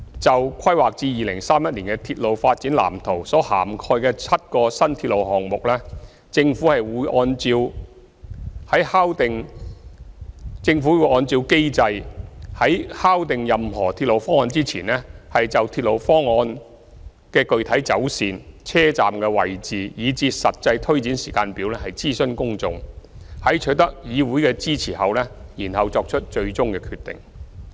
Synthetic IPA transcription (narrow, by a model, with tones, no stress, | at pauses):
t͡sɐ˨wkʷʰɐ˥jwaː˨k̚t͡siː˧jiː˨˩lɪ˨˩ŋsaː˥mjɐ˥t̚liː˨˩nkɛ˧t̪ʰiː˧t̚lo˨wfaː˧t̚t͡siː˨˥nla̰ː˨˩mt̪ʰo˨˩wsɔː˨˥haː˨˩mkʰɔː˧jkɛː˧t͡sʰɐ˥t̚kɔː˧sɐ˥nt̪ʰi˧t̚lo˨˩wɦɔː˨˩ŋmʊ˨k̚lɛː˥ | t͡sɪ˧ŋfuː˨˥hɐ˨jwuː˨˧jʔɔː˧nt͡siː˧w | hɐ˨˥jhaː˥wt̪ɪ˨ŋ | t͡sɪ˧ŋfuː˨˥wu˨˧˥ʔɔː˧nt͡siː˧wke˥jt͡sɐ˧jhɐ˨˥jhaː˥wt̪ɪ˨ŋjɐ˨mhɔː˨˩t̪ʰi˧t̚lo˨wfɔː˥ŋɔː˧nt͡siː˥t͡sʰiː˨˩nɛː˥hɐ˨jt͡sɐ˨wt̪ʰiː˧t̚lo˨˩wfɔː˥ŋɔː˧n | kɛː˧kɵ˨˧ɥt̪ʰɐ˨˥jt͡sɐ˨˥wsiː˨˧nt͡sʰɛː˥t͡saː˨mkɛː˧wɐ̰˨˩jt͡siː˨jiː˨˧t͡siː˧sɐ˨t̚t͡sɐ˧jt̪ʰɵ˥ɥt͡siː˨˥nsiː˨˩kaː˧npiː˨˥wlɛː˥hɐ˨jt͡siː˥sɵ˥nkʊ˥ŋt͡sʊ̰˨ŋhɐ˨˥jt͡ʃʰɵ˨˥t̪ɐ˥k̚jiː˨˧wuː˨˥jkɛː˧t͡siː˥t͡sʰiː˨˩hɐ˨wlɛː˥jiː˨˩nhɐ˨wt͡sɔː˧k̚t͡ʃʰɵ˥t̚t͡ʃɵ˧ɥt͡sʊ˥ŋkɛː˧kʰyː˧t̪ːɪ̰˨ŋ